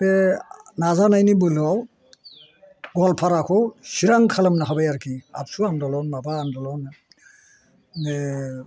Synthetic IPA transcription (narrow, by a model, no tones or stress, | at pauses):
ɛnazanajnibɯlɯaw | ɡɔlpʰaɾakʰɔsiɾaŋkʰalamnaɦabajaɾkʰia̰p̚suandɔlɔnmabaːndɔlɔn | ne